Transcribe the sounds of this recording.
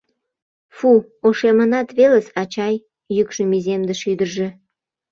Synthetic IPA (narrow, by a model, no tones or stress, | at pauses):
fu | oʃemənɑt̪βelesɑt͡ɕɑjː | ykʃəmizemd̪eʃyd̪ərʒe